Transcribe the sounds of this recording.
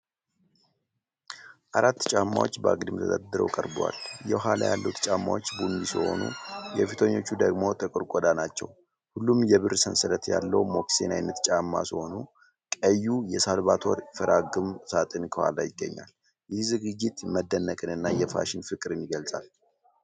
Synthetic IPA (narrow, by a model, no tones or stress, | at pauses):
ʔaɾat̪ːt͡ʃʼamːa̰wot͡ʃːbəaɡd̪ɨmt̪ʰəd̪əd̪ɨɾə̰wkʼəɾbwa̰ljɛɦala̰jalːut̪t͡ʃʼamːawot͡ʃːbundisɨho̞̰nṵjɛfit̪ʰoɲːo̞t͡ʃːud̪əɡmo̞t̪ʼɨkʼɨɾkʷʼɔd̪anat͡ʃːɛw | hulːumjɛβɨɾsənsɨɾət̪jalːəwmo̞ksenajnət̪t͡ʃʼamːasɨho̞nu | kʼəjːujɛsalβat̪ʰoɾfəɾʔaɡɨmsat̪ʼɨnkʰɨha̰lajɪɡːəɲːa̰l | jɪhzɨɡɨd͡ʒːɪt̪məd̪ːənːəkʼɨnɨnːajɛfa̰ʃɪnfɨkʼɨɾɨnjɪɡəlsʼal